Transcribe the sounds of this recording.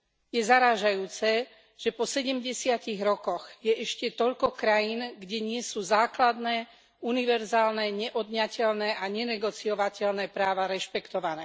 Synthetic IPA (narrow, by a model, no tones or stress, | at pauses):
jɛzaɾaːʒajuːt͡sɛ | ʒ̥ɛpɔsɛɟɛmɟɛsɪaciɣɾɔkɔɣjɛʔɛʃcɛt̪ɔʎkɔkɾajiːnɡɟɛɲɪɛsuːzaːklad̪nɛː | uniʋɛɾzaːlnɛɲɛʔɔd̪ɲacɛlnɛːʔaɲɛnɛɡɔt͡sijɔʋacɛlnɛːpɾaːʋaɾɛʃpɛkt̪ɔʋanɛː